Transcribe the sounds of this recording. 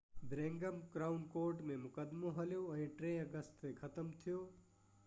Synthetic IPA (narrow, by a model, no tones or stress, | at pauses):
bɾẽŋɡəmkɾaːʊnkoːɾʈmẽmʊkəd̪moɦəljoə̃ĩʈɾẽəɡəst̪ːekʰət̪əmt̪ʰijo